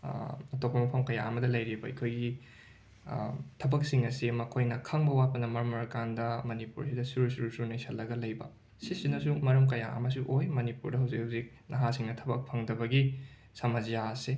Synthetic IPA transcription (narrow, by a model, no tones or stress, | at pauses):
ɐtopɐmɐpʰɐmkɐja̰ɐmɐdɐlɐjɾibɐɐ̰kʰojɡi | tʰɐbɐksiŋɐsimɐkʰojnɐkʰɐŋbɐwat̚pɐnɐmɐɾmɐɾɐkandɐmɐnipṵɾsidɐsuɾusuɾusunɐjsʰɐlːɐɡɐlɐjbɐ̰ | sisinːɐs̬umɐɾɐmkɐja̰ɐ̰mɐs̬uʔojmɐnipuɾdɐɦawzikhawzik̚ | nɐɦasiŋnɐtʰɐbɐk̚pʰɐŋdɐbɐɡi | sɐmɐzjase